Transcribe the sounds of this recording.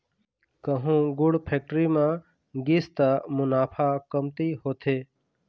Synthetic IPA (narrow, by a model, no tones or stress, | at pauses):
kəɦũɡʊɽpʰeːk̚ʈɾimã | ɡist̪amʊnaːpʰakəmt̪iɦoːt̪ʰeː